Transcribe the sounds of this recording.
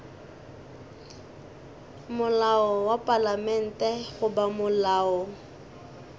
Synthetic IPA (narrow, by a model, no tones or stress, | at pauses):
mʊlaɔwapʼalamɛn̩tʼɛχʊbamʊlaːɔ